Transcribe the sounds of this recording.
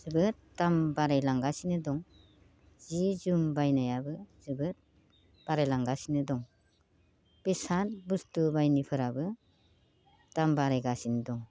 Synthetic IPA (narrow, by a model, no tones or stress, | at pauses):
z̥ɯbɯt | tːambaɾajlaŋɡasinɯdɔŋ | z̥izumbajnajabɯz̥ɯbɯt̚ | b̥aɾajlaŋɡasinɯdɔŋ | b̥esantbustubajnipʰɯɾabɯ | tambaɾajɡasinɯdɔŋ